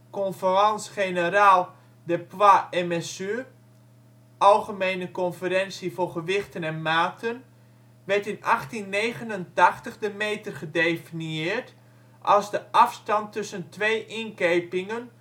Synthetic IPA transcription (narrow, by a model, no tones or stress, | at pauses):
kɔnfərɑnsχenəɾaːlˠ | dəpwaɛmɛsy | ɑlˠχəmeːnəkɔnfəɾɛnsiforχəʋɪxtənɛnmaːtʰən | ʋɛrtɪnʔaχtinːeːɣənəntaxtəχdəmeːtərχədefiniɪːrt | ʔɑlˠzdəʔɑfstɑntːɵsəntʋejʔɪnkeːpɪŋən